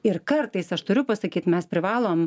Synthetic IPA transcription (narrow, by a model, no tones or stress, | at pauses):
ɪɾkɐɾt̪ɐɪsɐʃt̪ʊɾʲʊpɐsɐkʲiːt̪mʲɛspʲɾʲɪʋɑːlˠoːm